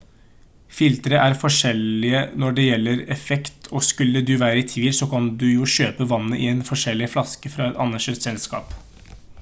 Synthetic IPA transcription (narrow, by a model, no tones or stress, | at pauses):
fɪlt̪ɾəʔæɾfɔʂɛlɪənɔɖɛjɛlːəɾɛfɛkt̪ʰɔskʉlːəd̪ʉʋæːɾəɪt̪ʰʋiːlsɔkʰɑnd̪ʉjʊɕøːpəʋɑnːəʔɪɛnfɔʂɛlːɪflɑskəfɾɑɛt̪ɑ̰nɑʂeːt̪sɛlskɑ̰ːp